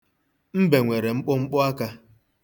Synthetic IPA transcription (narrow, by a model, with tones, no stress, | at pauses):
m̩˦be˨ŋʷe˨ɾe˨ŋ͡m̩˦k͡pʊ˦ŋ͡m̩˦k͡pʊ˦a˦ka˦